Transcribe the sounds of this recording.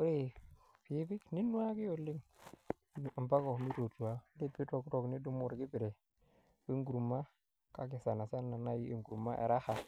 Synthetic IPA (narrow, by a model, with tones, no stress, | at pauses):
u˦ɾe˦˨ | pi˨˦bi˦kni˦nu˦a˦ki˦jo˨lːi˦ŋ˨ | mba˦ko˨mi˦ɾo˨tu˨a˦de˦bi˦to˦˨kɾo˨kni˦du˦mu˨ɾɡi˦bi˨ɾe˨ | bi˦ŋɡu˨ɾu˨mːa˦ | ka˦ki˨sa˨na˨sa˦nːa˨na˦ji˦ḛ˨ŋɡu˨ɾu˨ma̰˦ʔḛ˨ɾa˦ha˨